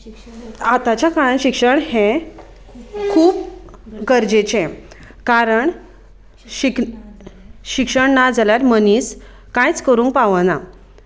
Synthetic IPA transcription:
at̪at͡ɕjakaɭanɕikʂəɳhẽ | kʰuːp̚ɡəɾd͡ʑet͡ɕẽ | kaɾəɳ | ɕik | ɕikʂəɳnad͡zaljaɾməniːs | kãjt͡skəɾũːŋkpaʋəna

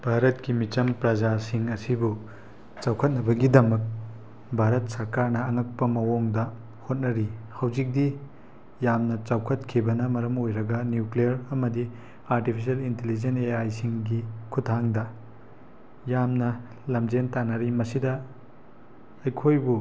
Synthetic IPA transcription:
bʱaɾɐtkimit͡ʃɐmpɾɐd͡ʒasiŋɐsibu | t͡ʃawkʰɐt̚nɐbɐɡidɐmɐk̚ | bʱaɾɐt̚sɐɾkaɾnɐːŋɐk̚pɐmɐwoŋdɐ | hot̚nɐɾihɐwd͡ʒik̚di | jamnɐt͡ʃawkʰɐtkʰibɐnɐmɐɾɐmojɾɐɡɐnjuklijɐɾɐmɐdi | aɾtipʰis̬ɐlintelid͡ʒeneajsiŋɡikʰutʰːaŋdɐ | jamnɐ | lɐmd͡ʒentanɐɾimɐsidɐ | ɐjkʰojbu

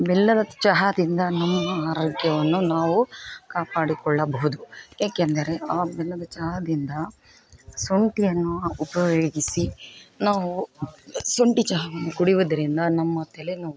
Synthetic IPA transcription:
bɛlːɐd̪ɐt͡ʃɐɦɐd̪ind̪ɐnɐmːɐaːɾoːɡjɐʋɐnːunaːʋukaːpaːɽikɔɭːɐbɐɦud̪ujaːkend̪ɐɾe̞aːbɛlːɐd̪ɐt͡ʃɐɦɐd̪ind̪ɐ | soɳʈijɐnːuupɐʋoːɡisinaːʋu | soɳʈit͡ʃɐɦɐʋɐnːuɡuɽiʋud̪ɐɾind̪ɐnɐmːɐt̪ʰelenɐu

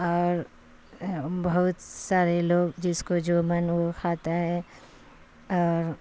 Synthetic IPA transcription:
ɔːɾ | bɐɦʊt̪saːɾeloːɡd͡ʒɪskod͡ʒoːmɐnokʰaːt̪aɦɛ | ɔːɾ

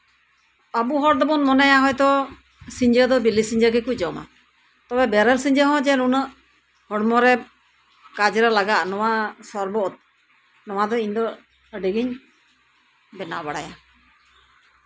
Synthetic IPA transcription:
abuɦɔɽd̪ɔbɔnmɔnajaɦɔjt̪ɔ | siɲd͡ʒəd̪ɔbilisiɲd͡ʒəɡɛkuc̚d͡ʒɔma̰ | t̪ɔbɛbɛɾəlsiɲd͡ʒəɦɔ̃d͡ʒɛɾunəʔ | hɔɽmɔɾɛ | kad͡ʒɾɛlaɡaʔnɔwasɔɾbɔt̪̚ | nɔwad̪ɔiɲd̪ɔ | əɖiɡiɲ | bɛna̰baɽaja

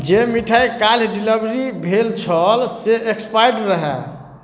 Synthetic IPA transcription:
d͡ʒemiʈʰajkalɖiləbɾibʱelt͡ʃʰəlseʔekspajɖɾəɦɛ̰

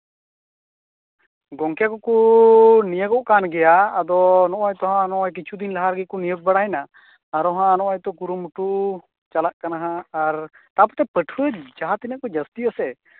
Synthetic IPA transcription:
ɡɔŋkɛkɔkunijəɡɔʔkanɡɛjaːd̪ɔnɔʔɔjt̪ɔɦãnɔʔɔjk̬it͡ʃʰud̪inlaɦaɾɡɛkɔnijəɡ̚baɽajnaː | ɾɔɦãnɔʔɔjt̪ɔkuɾumuʈu | t͡ʃalaʔkanaɦãːɾ | t̪apɔt̪ɛpəʈʰuəd͡ʒaɦat̪inəʔkɔd͡ʒəst̪iəsɛ

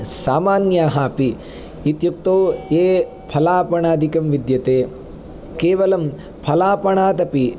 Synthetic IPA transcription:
saːmaːnjaːɦaːpi | it̪juk̚t̪oːeː | pʰɐlaːpɐɳaːd̪ʱikɐmʋid̪jɐt̪eː | keːʋɐlɐm | pʰɐlaːpɐɳaːt̪ɐpi

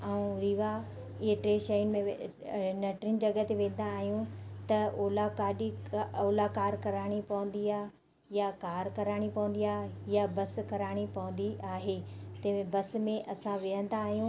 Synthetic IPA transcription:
ɐũɾiːʋa | ɪɦeʈɾeːʃɐjnmẽ | nɐʈɾɪn̆d͡ʑɐɡət̪eʋẽːn̆d̪aːɦijũt̪ɐoːlakaːɗioːlakaːɾkɐɾaːɽ̃ipɐʋə̃n̆d̪iaːɦ | jakaːɾkɐɾaːɽ̃ipɐʋə̃nd̪iaːɦjabɐskɐɾaːɽ̃ipɐʋə̃nd̪iaːɦet̪ɐ̃mẽbɐsmẽʔɐsãʋɪɦə̃nd̪aːɦijũ

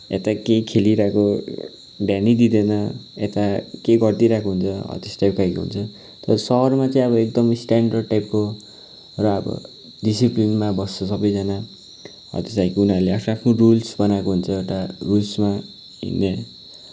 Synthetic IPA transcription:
ḛt̪akejkʰeliɾʌko | ɖjanid̪id̪enʌet̪akejɡʌrt̪iɾakoɦunt͡sʰʌʌ̰t̪esʈajp̚kajkoɦṵnt͡sʰʌ | t̪ʌʌsʌɦʌrmat͡sʌĩʌbʌek̚d̪ʌmsʈaɳɖʌrʈajp̚ko | rʌːbʌ̰ | ɖisiplinmabʌst͡sʰʌsʌbʌjd͡zana | ʌ̰t̪esajkunaɾleapʰnapʰnorulsbʌnakoɦunt͡sʰʌeʈarulsma | ḭnːe

